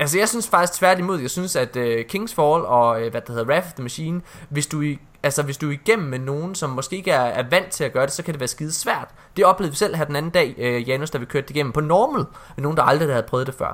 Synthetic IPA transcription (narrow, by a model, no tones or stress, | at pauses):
ælsəjɑ̈ɪsynsfɑ̈ɡ̥isɡ̥t͡sʰʋæɐ̰d̥imo̝ðˠjɑ̈ɪsynsæd̥økʰe̝ŋsfɒlɒ̽øʋæd̥æheð̞ˠʁæffðəmæɕḭːnʋe̝sd̥ui | ælsɐʋe̝sd̥uiɡ̥em̰n̩meno̝ːn̩sɒ̽mːɒ̽sɡ̥e̝̰ːeɡəæɐæɐʋæn̰d̥̚t͡sʰe̝læɡ̥ɶːɐɾ̥e̝sɒ̽kʰæd̥e̝ʋæːɐsɡ̥iːðˠsʋæɐ̰d̥ | d̥e̝ɒ̽b̥le̝ðˠʋisel̰ɦæɐden̩æn̩d̥ɛ̰ːjæːnosd̥ɑ̈ʋikʰøɐd̥eiɡ̥em̰m̩pʰɒ̽nɒːml̩ˠmeno̝ːnd̥ɑ̈ɑ̈ld̥ʁid̥hæð̞̩ˠpʰʁœːð̞̩ˠd̥efɶ̰ɐ̰